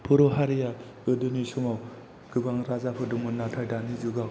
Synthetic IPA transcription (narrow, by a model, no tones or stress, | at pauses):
pʰuɾɯɦaɾijaɡɯdɯnisumaw | ɡ̥ɯbaŋɾazapʰɯdɯmɯnːatʰajdanizuɡa